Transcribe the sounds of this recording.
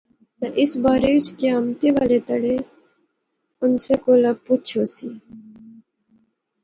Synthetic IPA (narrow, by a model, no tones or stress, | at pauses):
t̪əʔɪsbaːɾeːʋɪt͡ʃkeaːmt̪eːʋaːleːt̪əɽeː | ʊnseːkoːlaput͡ʃʰoːsiː